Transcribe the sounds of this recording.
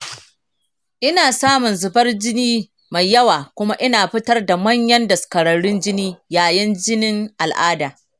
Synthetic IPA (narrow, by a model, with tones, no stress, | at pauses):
ʔɪ˦naː˨saː˦mʊ˨nzʊ˨bɐ˦rd͡ʒɪ˦niː˦ | ma˨jjɐ˦waː˨kʷʊ˦ma˦ʔɪ˦naː˨ɸɪ˦tɐ˦rda˨mɐ˦ɲjɐ˦ndɐ˨skɐ˨ɽɐ˨ɽʊ˦nd͡ʒɪ˦niː˦jaː˨jɐ˦nd͡ʒɪ˦nɪ˦ŋʔa˨lʔaː˦daː˨